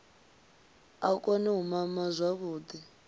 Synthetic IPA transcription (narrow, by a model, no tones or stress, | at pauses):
akʼɔnɛɦumamazʷaβuːd̪i